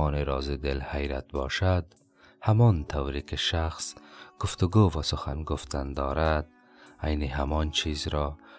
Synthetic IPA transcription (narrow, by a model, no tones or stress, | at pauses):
ɔːneɾɔːzɪd̪ɪlhajɾa̰t̪̚bɔ̰ʃad̪ | hamɔnt̪ʰawɾikeʃaxsɡ̥ʊft̪ʊɡovasʊxa̰nɡʊft̪and̪ɔːɾad̪̚ | ajniɦamɔnt͡ʃʰizɾɔ